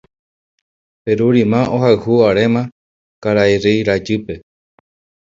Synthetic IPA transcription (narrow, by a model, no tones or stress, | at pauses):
peɾuɾimãʔohaɨhuaɾemã | kaɾaeɾejɾad͡ʒɨpe̞